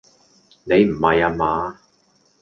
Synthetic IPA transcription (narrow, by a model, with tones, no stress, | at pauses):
ne˨˧jm̩˨˩hɐ˨jaː˧maː˨˥